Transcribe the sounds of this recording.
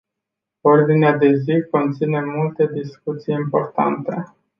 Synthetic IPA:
o̞rd̪inead̪e̞ziko̞nt̪sine̞mult̪e̞d̪iskut̪sijimpo̞rt̪a̰nt̪e̞

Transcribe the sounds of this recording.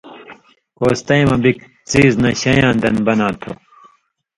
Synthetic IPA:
koːst̪ɐjmɐbik | t͡siːznɐɕɐjãːnd̪ɐnbɐnãːt̪ʰo̰

